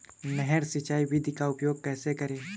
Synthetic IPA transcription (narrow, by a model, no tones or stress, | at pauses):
nɛɦɛɾsɪt͡ʃaːiʋɪd̪ʱikaʊpjoːɡ̚kɛːsekɐɾeː